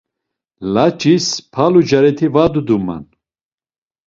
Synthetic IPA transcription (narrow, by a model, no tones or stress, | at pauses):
lat͡ʃʼispʰalud͡ʒaɾɛt̪ʰivad̪ud̪uma̰n